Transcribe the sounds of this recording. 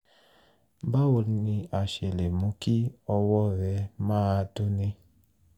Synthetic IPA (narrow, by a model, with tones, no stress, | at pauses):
ba˦o˧nĩ˧a˨ʃe˨le˨mũ˧ki˦ɔ˧wɔ˦ɾɛ˧mãː˦˧to˦nẽ˧